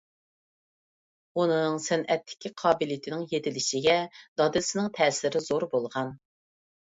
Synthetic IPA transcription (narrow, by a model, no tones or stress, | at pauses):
unɨŋsɛnɛt̪ʰːɪ̥kʲʰiqʰɑːbɪljt̪ʰɪnɪŋjet̪ʰɪlɪʃɪɡʲɛd̪̥ɑd̪ɪsɪnɪŋt̪ʰɛːsɪɾɪzoɾbolˠʁɑn